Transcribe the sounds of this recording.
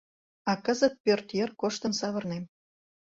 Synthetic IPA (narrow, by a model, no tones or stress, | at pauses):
ɑkəzət̪̚pørt̪jerkoʃt̪ənsɑβɤ̆rnem